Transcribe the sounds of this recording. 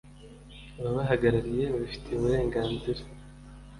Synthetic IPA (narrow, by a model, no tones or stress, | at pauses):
βaβaɦaɡaɾaɾije̞βaβifi̥tʰeuβuɾe̞ːŋɡaːnziɾa